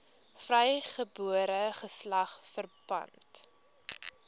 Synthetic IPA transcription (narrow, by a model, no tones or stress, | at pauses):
frɛjχəbuəɾəχəslɐχfərbɐ̰nt